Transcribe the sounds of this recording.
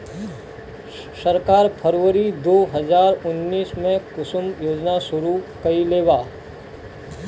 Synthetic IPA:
səɾkaːɾpʰəɾʋəɾid̪oːɦɐzaːɾʊnːiːsmẽkʊsʊmjoːd͡ʒnasʊɾukɐileːʋaː

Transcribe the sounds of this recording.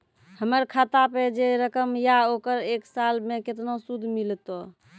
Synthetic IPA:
həməɾkʰat̪aped͡ʒeɾəkəmjaokəɾeksalmeket̪nosud̪ʱmilt̪o

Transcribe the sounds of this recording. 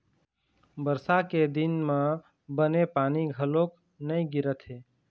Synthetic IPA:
bəɾsaked̪inmẽ | bənepaːniɡʱəlok | nəĩɡɪɾət̪ɦeː

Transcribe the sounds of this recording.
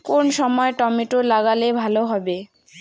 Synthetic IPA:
konsɔmɔeʈɔmiʈulaɡalebʱaloɦɔbe

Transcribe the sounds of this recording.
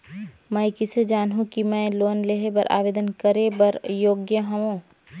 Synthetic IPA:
mɛ̃jkɪsed͡ʒaːnɦũkimɛ̃loːnleɦebəɾʔa̰ːʋeːd̪ənkəɾebəɾjoːɡjəɦɐʋõː

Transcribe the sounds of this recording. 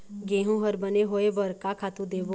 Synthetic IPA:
ɡẽːɦũɦəɾbəneɦoːeʋəɾkakʰaːt̪ũd̪eːʋo

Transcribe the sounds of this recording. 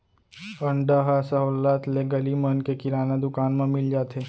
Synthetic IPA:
ɐ̃ɳɖaɦasəɦoːlaːt̪leɡɐlimənkekɪɾaːnad̪ʊkaːnmãmɪld͡ʒaːt̪eː

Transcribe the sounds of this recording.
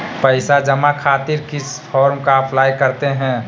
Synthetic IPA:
pəɪsad͡ʒəmakʰaːt̪iɾkɪspʰɔːɾmkaɐpʰlaːjkəɾt̪eɦɛ̃

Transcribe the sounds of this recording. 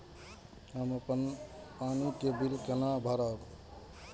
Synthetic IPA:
ɦəməpənpanikebilkenabʱəɾab

